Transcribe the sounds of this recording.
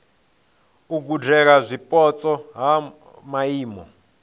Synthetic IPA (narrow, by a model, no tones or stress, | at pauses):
uk̬ud͡ʒɛkazʷipʼɔt͡sʼɔɦa | maiːmɔ̰